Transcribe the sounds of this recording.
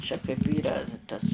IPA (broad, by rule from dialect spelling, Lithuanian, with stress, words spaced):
t͡ʃʲɛ kɐɪp ˈiːrɐ tɐs